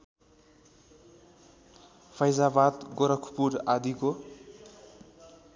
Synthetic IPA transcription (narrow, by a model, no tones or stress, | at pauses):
pʰʌjzabad̪ɡʌɾʌkʰpuɾad̪iko